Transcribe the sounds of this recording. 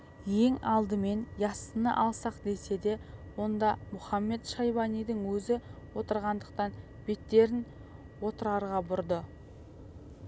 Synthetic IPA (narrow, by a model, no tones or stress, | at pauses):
je̞ŋɑlˠd̪əme̞njɑsənə̰ʔɑlˠsɑqd̪e̞se̞d̪e̞wo̞nd̪ɑmʊχɑmːe̞t̪ʃɑjbɑnijd̪əŋwɵzɪwo̞t̪əɾʁɑnd̪əq̚t̪ɑn | b̥e̞t̪ːe̞ɾɪn | wo̞t̪əɾɑɾʁɑbʊɾd̪ə